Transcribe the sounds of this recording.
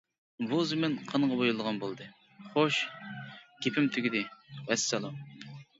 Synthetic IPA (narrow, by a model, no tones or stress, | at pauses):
buzɪmɪnqʰɑnʁɑbojulˠəʁɑnbolˠd̪ɨ | χoʃ | ɡ̥ʲepʰɪmt̪ʰyɡʲid̪ɪvɛsːɑlˠu